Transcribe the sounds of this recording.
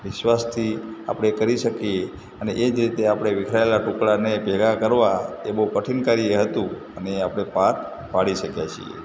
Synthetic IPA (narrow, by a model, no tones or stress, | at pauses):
ʋɪʃʋast̪ʰia̰pəɽ̃ekəɾiʃəkie | əneʔed͡ʒɾit̪eapɽ̃eʋikʰɾaelaʈukɭanepɛɡakəɾʋaeboɦpəʈʰinkaɾieɦət̪ũ | əneːapɽ̃epak | paɽiʃəkjat͡ʃʰḭḛ